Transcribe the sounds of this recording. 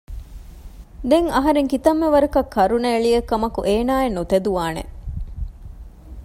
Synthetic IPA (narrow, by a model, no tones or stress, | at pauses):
d̪eŋɐɦɐɾeŋkit̪ɐmːeʋɐɾɐkɐkʰːɐɾuneːɭijɐkːɐmɐkuʔeːnaːenːut̪ɐd̪uʋaːnḛ